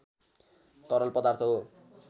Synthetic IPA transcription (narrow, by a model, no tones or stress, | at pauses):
t̪ʌɾʌlpʌd̪art̪ʰʌɦ